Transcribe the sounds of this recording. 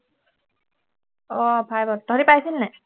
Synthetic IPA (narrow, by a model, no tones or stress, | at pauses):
ɔpʰajbɔd̥ʱɔɹipajsinːɛ